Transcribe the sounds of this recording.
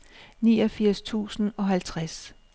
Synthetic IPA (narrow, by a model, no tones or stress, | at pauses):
niːɒ̽fiɐ̰st͡sʰṵːsn̩ɒ̽ɦælt͡sʰʁas